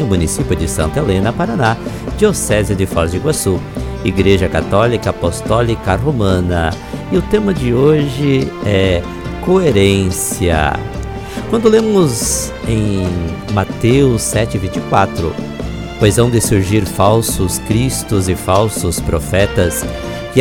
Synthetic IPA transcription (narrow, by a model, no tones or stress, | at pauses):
ʊmũnisipjʊd͡ʒɪsɐ̰̃nt̪elẽnɐpaɾɐna | d͡ʒiosɛzjɐd̪ɪfɔɾd͡ʒɪɡwasuiɡɾeʒɐkat̪ɔlikɐpost̪ɔlikɐɦomɐ̃nɐ | ɪʊt̪ẽmɐd͡ʒɪoʒɪɛ | koeɾẽsiɐ̰ | kwɐ̃nd̪ʊlẽmʊz | ẽj̃mat̪ewʊsːɛt͡ʃɪɪvĩnt͡ʃɪkwat̪ɾʊ̰ | pojzɐ̃w̃d̪ɪsuɾʒiɾfawsʊskɾist̪ʊzɪfawsʊspɾofɛt̪ɐs | kɪ